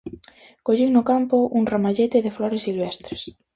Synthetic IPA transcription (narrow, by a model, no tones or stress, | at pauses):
koʎiŋnʊkampʊʔuŋramaʎet̪ɪðɪfloɾesːilβest̪ɾes